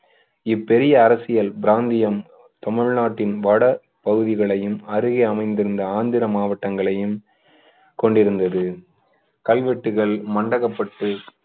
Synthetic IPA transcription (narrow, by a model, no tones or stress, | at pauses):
ɪpːɛɾɪjɐːɾɐsɪjɐlbɪɾaːnd̪ɪjɐm | t̪ɔmɐɻnaːʈːɪnʋɐɽɐ | pɐɣɯðɪɣɐɭɐjɯmɐɾɯɣɐɐmɐɪnd̪ɪɾɯnd̪ɐaːnd̪ɪɾɐmaːʋɐʈːɐŋɡɐɭɐjɯm | kɔɳɖɪɾɯnd̪ɐðɯ | kɐlʋɛʈːɯɣɐɭmɐɳɖɐɣɐpːɐʈːɯ